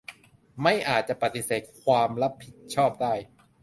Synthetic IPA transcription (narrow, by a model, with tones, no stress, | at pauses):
ma˥˩jʔaː˨˩t̪̚t͡ɕa˨˩pa˨˩t̪i˨˩seː˨˩t̪̚kʰwaː˧mɾa˦˥pʰːi˨˩t̪̚t͡ɕʰɔː˥˩p̚daː˥˩j